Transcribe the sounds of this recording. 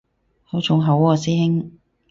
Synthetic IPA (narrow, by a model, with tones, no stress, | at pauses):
ho˨˥t͡ʃʰʊ˨˥ŋɦɐ˨˥wɔː˨˧siː˦˥ŋ